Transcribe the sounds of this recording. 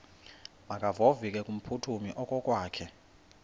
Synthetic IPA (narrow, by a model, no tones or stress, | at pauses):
makʼavovikʼɛkʼum̩pʰutʰumiʔɔkʼɔkʼwaːkʰɛ